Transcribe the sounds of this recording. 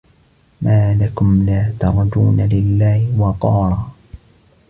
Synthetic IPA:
maːlakʊmlaːt̪ɑɾˤd͡ʒuːnalɪlːaːhwɑqɑːɾˤɑː

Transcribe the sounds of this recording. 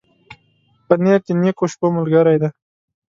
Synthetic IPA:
pəneɾt̪inekoʃpomʊlɡaɾajd̪a

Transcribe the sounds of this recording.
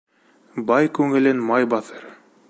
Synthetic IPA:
bɑjkʉŋɘ̆lɘnmɑjbɑθɤɾ

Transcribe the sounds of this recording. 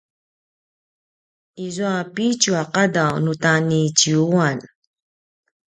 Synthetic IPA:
izuapit͡ʃuaqadawnutanit͡ɕiuan

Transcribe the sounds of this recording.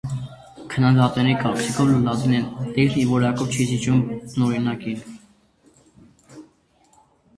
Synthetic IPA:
kʰənɑd̪ɑt̪nɛɾikɑɾt͡sʰikʰɔvlulɑt̪inɛt̪ɛivɔɾɑkɔvt͡ʃʰizit͡ʃumnɔɾinɑkin

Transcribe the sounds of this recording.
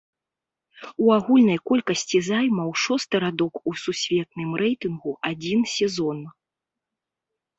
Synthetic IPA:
uaɣulʲnɐjkɔlʲkɐsʲt͡sʲizajmɐwʂɔst̪ɨɾad̪ɔkususʲvʲɛt̪̚nɨmrɛjt̪ɨnɣuʔad͡zʲinsʲɛzɔn

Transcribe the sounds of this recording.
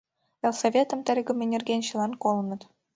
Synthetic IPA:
ĕlˠsovʲet̪ɤ̆mt̪ʲɘ̆rʲɡʲumʲɘ̆nʲɘ̆rʲɡʲenʲɕɯlˠɑnkolˠnɤ̆t̪ʲ

